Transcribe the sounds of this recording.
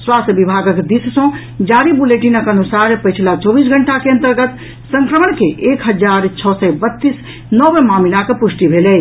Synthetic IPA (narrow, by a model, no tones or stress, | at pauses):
swast̪əbibʱaɡəkd̪issɔ̃ | d͡ʒaɾibuleʈinəkənusaɾpəjt͡ʃʰilat͡ʃɔbisɡʱəɳʈakeə̃nt̪əɾɡət̪ | sə̃ŋkɾəmənkeʔekɦəd͡ʒaɾt͡ʃʰɔsɛbət̪ːis | nɔʋemaminakepusʈibʱelɛ